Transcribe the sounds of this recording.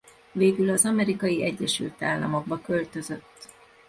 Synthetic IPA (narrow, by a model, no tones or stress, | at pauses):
veːɡylɒzɒmɛɾikɒjiʔɛɟːɛʃy̰lt̪aːlːɒ̰mo̞ɡbɒkø̞lt̪ø̞zø̞t̪ː